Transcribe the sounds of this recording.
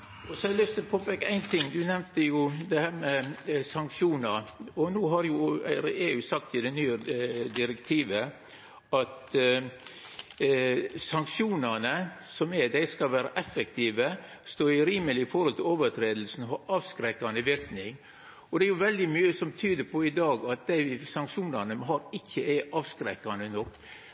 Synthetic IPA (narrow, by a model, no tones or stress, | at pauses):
ɔsɔɛlʏst̪ʰɪlɔpʰoːpekːəæɪnt̪ʰɪŋːd̪ʉnɛmnt̪əjʊd̪ɛhæːɾmɛsɑŋkʃuːnəɾɔnuːɦɑɾjʊeːʉːsɑk̚t̪ɪd̪ɛnyːəd̪ɪɾɛkt̪ʰiːʋə | ɑt̪ | sɑŋkʃjuːnənəsɔmɛd̪æɪskɑlʋæːɾɑʔɛfək̚t̪ʰiːʋə | st̪oːɾɪɾiːməlɪɪfɔɾhɔlt̪ʰɪloːʋəɾt̪ʰɾeːd̪l̩sn̩ɦɑɾɑːʋskɾɛkːɑnəʋɪɾknɪŋ | ɔd̪ɛæɾjʊʋɛld̪ɪmyːəsɔmt̪ʰyːd̪əɾpʰɔɪd̪ɑːɡɑt̪̚d̪æɪsɑŋkʃuːnɑnəɦɑɾɪçːəɛʔɑːʋskɾɛkːɑnənɔkː